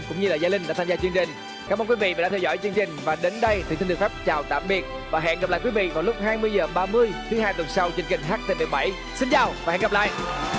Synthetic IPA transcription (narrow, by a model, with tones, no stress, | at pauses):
kʊ̰˧˥ŋ͡mɲɨ˧laː˨˩zaː˨˦lï˧ŋ̟ɗa̰ː˧˥t̪ʰa˧zaː˧t͡ɕwɨ˧əŋt͡ɕï˨˩ŋ̟ | kaː˦mə˧nkwi˨˦vḭ˧˨vaː˨˩a̰˧˥ɛ˧wzɔ̰˧˩jt͡ɕwɨ˧əŋt͡ɕï˨˩ŋ̟vaː˨˩ɗe˨˦nɗə˧jt̪ʰi˨˩t̪i˧ŋli˨˩fa˦˥p̚t͡ɕaː˨˩wt̪a̰ː˧˨mɓi˨˩ət̚vaː˨˩ɦɛ̰˧˨nɣə˨˩p̚la̰ː˧˨kwi˨˦vḭ˧˨vaː˨˩wlʊ˦˥k͡p̚haː˧jmɨ˧əjzəː˨˩ɓaː˧mɨ˧əjt̪ʰɨ˨˦ɦaː˧jt̪wə˨˩nsa˧wt͡ɕi˧ŋt͡ɕï˨˩ŋ̟xaː˦˥k̚t̪e˨˩ɓə˨˩ɓa˧˩j | si˧nt͡ɕaː˨˩wvaː˨˩hɛ̰˧˨ŋ˨˩p̚la̰ː˧˨jʔ